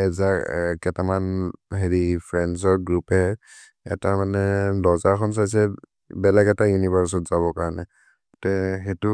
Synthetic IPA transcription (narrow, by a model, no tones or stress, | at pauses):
ɛzakɛtamanɦeɹipʰɹɛnzɔɹɡɹupɛ | ɛ̰tamanɛlɔzaɹkʰɔns̬ajs̬ɛ | bɛlaɡɛtajunibaɹs̬ɔtz̥aβɔkaɹɔnɛ | tɛɦɛtu